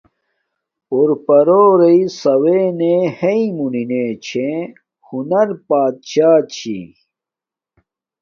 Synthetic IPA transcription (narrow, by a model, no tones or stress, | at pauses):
oɾpɐɾoːɾeisɐweneheimunineːt͡ɕʰẽ | hunɐɾpaːt̪̚ɕaːt͡ɕʰḭ